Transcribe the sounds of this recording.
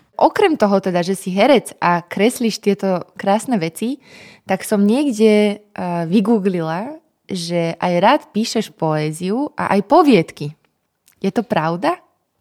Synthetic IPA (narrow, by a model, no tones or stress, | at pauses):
ʔɔkɾɛmt̪ɔɦɔt̪ɛd̪aʒɛsiɦɛɾɛt͡sʔakɾɛsliːʃt̪ɪɛt̪ɔkɾaːsnɛʋɛt͡sit̪aksɔmɲɪɛɡɟɛ | ʋiɡuːɡlila | ʒɛʔajɾaːt̪piːʃɛʃpɔɛːziuʔa̰ʔajpɔʋɪɛt̪ki | jɛt̪ɔpɾaʊd̪a